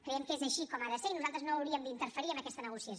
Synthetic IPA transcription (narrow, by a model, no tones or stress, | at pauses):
kɾɛjɛmkezəʃikɔmaðəseɾinuzalˠt̪ɾəznoːwɾiəmd̪int̪əɾfəɾiəməkɛst̪ənəɣusiə